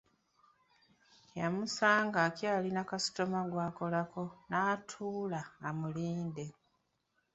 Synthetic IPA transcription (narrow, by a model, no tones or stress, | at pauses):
jamusaːŋɡaːcjaːlinakasi̥to̞maɡwaːko̞lako̞naːtʰuːlaːmuliːnde̞